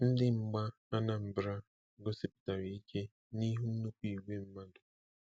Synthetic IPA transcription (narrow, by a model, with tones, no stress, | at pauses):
n̩˦dɪ˦ŋ͡m̩˨ɡ͡ba˦ | a˦na˦m̩˨bɾa˦ | ɡʊ˦sɪ˦pʊ̥˨ta˨ɾi˨i˦ke˦ | ni˦ɦu˦n̩˦nu˦ku˦i˨wʷe˦m̩˦ma˦dʊ˨